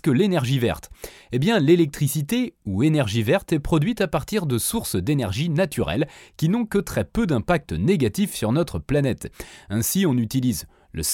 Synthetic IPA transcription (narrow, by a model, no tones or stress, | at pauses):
kəlenɛʁʒivɛ̰ʁt̪ebjɛ̃lelɛk̚t̪χisit̪euenɛʁʒivɛʁt̪ɛpχɔd̪ɥit̪apaʁt̪iʁd̪əsuʁsd̪enɛʁʒinat̪ʰyʁɛ̰lkʲinɔ̃kət̪χɛpød̪ɛ̃pak̚t̪neɡat̪ifsyʁnɔt̪χəplanɛt̪ɛ̃siɔ̃nyt̪iliz | lə̰s